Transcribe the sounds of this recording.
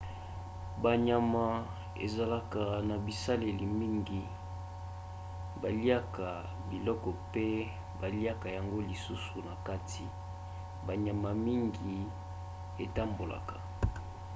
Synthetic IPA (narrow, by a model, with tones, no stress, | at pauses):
ba˨ɲa˨ma˨ | ḛ˨za˨la˦ka˨na˨bi˨sa˦le˨li˨mi˦ŋɡi˨ | ba˨li˦a˦ka˨ | bi˨lɔ˦kɔ˨pe˦ | ba˨li˦a˦ka˨ja˨ŋɡo˦li˨su˦su˨na˨ka˦tʰi˨ | ba˨ɲa˨ma˨mi˦ŋɡi˨ | e˨ta˦mbo˨la̰˨kḁ˨